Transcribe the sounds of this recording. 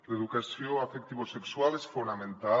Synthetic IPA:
leðukasjoafek̚t̪iβosekswalesfonamẽnt̪a

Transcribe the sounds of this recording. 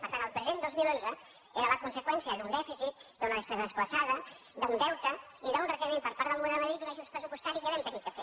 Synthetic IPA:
pəɾt̪anəlˠpɾəzend̪ozmilonzə | eɾələkunsəkwɛnsiəðund̪ɛfizit̪̚d̪unəðəspɛzəðəsplasaðə | d̪und̪ɛwt̪ə | iðaunrəkəɾimempəɾpaɾt̪əlˠmunəməðɾit̪unaʒunspɾəzupust̪aɾiðəβɛnt̪ənit̪kəfe

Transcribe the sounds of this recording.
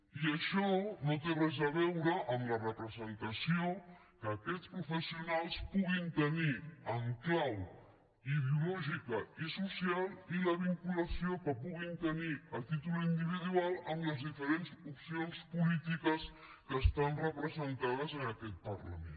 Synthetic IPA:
iəʃɔnot̪erɛzəβɛwɾəʔəmlərəpɾəzənt̪əsio | kəːkɛt̪spɾufəsiunalˠspuɣint̪əniəŋklaw | iðeulɔʒikəisusialˠiləβ̞iŋkuləsiokəpuɣint̪əniəlˠt̪it̪uluind̪iβ̞iðualˠəmləzðifəɾenzupsionspulit̪ikəs | kəːst̪anrəpɾəzənt̪aðəzənəkɛt̪̚pərlə̰mḛn

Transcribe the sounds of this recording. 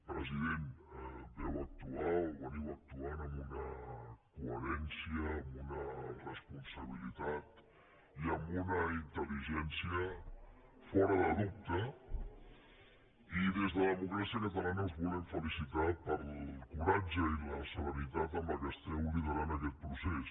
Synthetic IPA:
pɾəziðend̪ɛwək̚t̪uaoβəniwək̚t̪uanəmbunəkuəɾɛnsiəːmbunərəspunsəβ̞ilit̪at̪ | iəmbunəint̪əliʒɛnsiə | fɔɾəðəðup̚t̪ə | iðezðələðəmukɾasiəkət̪əlanəuzβulɛɱfəlisit̪apəɾlkuɾad͡ʒəiləsəβəɾit̪at̪əmbəkɛst̪ɛuliðəɾant̪əkɛt̪̚pɾusɛs

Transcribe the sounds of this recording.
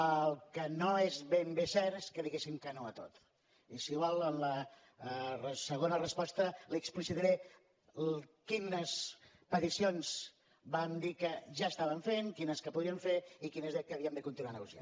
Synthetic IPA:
əlˠkənoezβembesɛɾskəðiɣesimkənoət̪o̰t̪ | isiɣwalˠənlə | rəsəɣonərəspɔst̪əliəksplisiðəɾe | kinəs | pət̪isionz | bamd̪ikəʒaəst̪aβəɱfenkinəskəpuðɾiəɱfeikinəzɛkəːβiəmd̪əkunt̪inuwanəɣusja̰n

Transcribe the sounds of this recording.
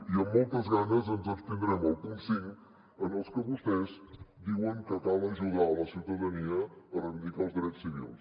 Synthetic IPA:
iəmːɔlˠt̪əzɣanəzənzəst̪iŋɡɾɛməlˠkunsiʎ | ənəlˠskəβust̪ɛzd̪iwəŋkət̪alˠəʒuðaləsiwt̪əðəniəːrəβid̪ikalˠzðiɾɛssːiβḭlˠs

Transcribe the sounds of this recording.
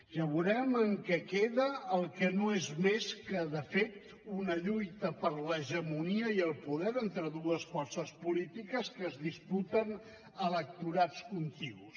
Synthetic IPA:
ʒ̥aβuɾɛməŋkɛkeðəːlˠkənoezmeskəðəfet̪ | unəʎujt̪əpəɾləʒəmuniəiəlˠpuðɛɾent̪ɾəðuəsfɔrsəspulit̪ikəskəːzðisput̪ən | ələk̚t̪uɾat͡skunt̪iɣus

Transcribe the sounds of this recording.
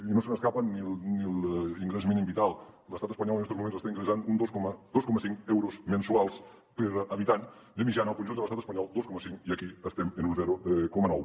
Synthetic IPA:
inosənəskapanilniliŋɡɾɛzminimbit̪alˠləst̪at̪əspaɲɔlˠənɛst̪ozmumẽnsəst̪aiŋɡɾesanund̪oskmd̪oskɔməsiŋkɛwɾozmensualˠs | pəɾaβit̪an | d̪əmiʒanaəlˠkunʒund̪ələst̪at̪ə̥spaɲɔlˠd̪oskɔməsiŋiakiəst̪ɛmenunzɛɾukɔmanɔw

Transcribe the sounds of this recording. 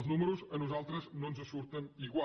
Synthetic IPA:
ʒnumɨɾuʃɐnuzalˠt̪ɾɐznɐ̃nuzɐsuɾt̪ɐ̃ñiɣwa

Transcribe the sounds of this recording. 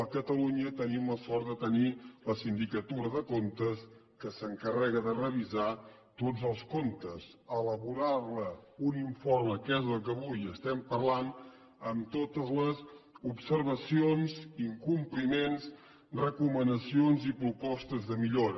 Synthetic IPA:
əkət̪əluɲət̪ənimləsɔɾd̪ət̪əniləsind̪ikət̪uɾəðəkont̪əskəsəŋkərɛɣ̞əðərəβ̞iza | t̪od͡zəlˠskont̪əzələβuɾarləuniɱforməkɛzəlˠkəβujəst̪ɛmpərlan | əmt̪ot̪əzləzupsəɾβ̞əsionziŋkumplimenz | rəkumənəsionzipɾupɔst̪əzðəmiʎoɾə

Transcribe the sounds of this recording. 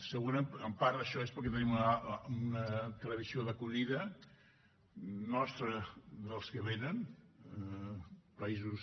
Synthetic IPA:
səɣunəəmpaɾðəʃɔespəɾkɛt̪ənimununət̪ələβisioðəkuʎiðə | nɔst̪ɾəðəlˠskəβenən | pəizus

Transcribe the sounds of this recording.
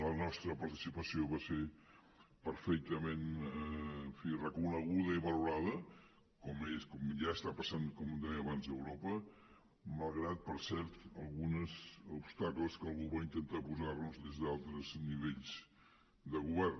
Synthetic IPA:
lənɔst̪ɾəpəɾt̪isipəsioβase | pəɾfɛk̚t̪əmenː | ɱfirəkunəɣuðəiβəluɾaðə | kɔmeskɔmʒaəst̪apəsankɔmd̪ɛjəβanzðəwɾɔpə | məlˠɣɾat̪̚pəɾsɛɾt̪əlˠɣunəzupst̪akləskəlˠɣuβaint̪ənt̪apuzarnuzðezðalˠt̪ɾəzniβeʎz̥ | d̪əɣuβɛr

